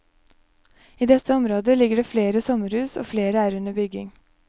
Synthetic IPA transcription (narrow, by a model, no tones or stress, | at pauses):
iːd̪ɛt̪ʰːəɔmɾoːd̪əlɪɡəɖeːfleːɾəsɔməɾhʉːso̰ːfleːɾəæːɾʉnəbʏɡɪŋ